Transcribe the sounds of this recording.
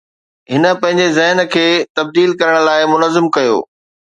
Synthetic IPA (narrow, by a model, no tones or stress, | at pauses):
ɦɪnə̆pɐ̃ɦɪ̃ɲd͡ʑezɐɦnəkʰeːt̪ɐb̚d̪iːlkɐɾəɽ̃laːɪmʊnəzɪmkɐjo̰ː